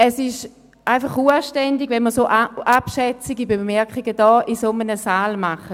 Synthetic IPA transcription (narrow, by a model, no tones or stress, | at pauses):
ɛsɪʃ | ʔaɪfaχuɐʃtɛndiɡvɛnməsoːʔapʃɛt͡siɡibemɛɐkχiɡədɔːʔisomənəsaːlmaχə